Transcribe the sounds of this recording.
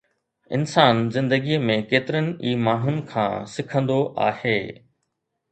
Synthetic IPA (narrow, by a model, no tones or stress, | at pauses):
ɪ̰nsaːnzɪ̃nd̪əɡimẽkeːt̪ɪɾənɪ̆iːmaːɦʊnɪ̆kʰã̰ːsɪkʰə̃nd̪oʔa̰ːheː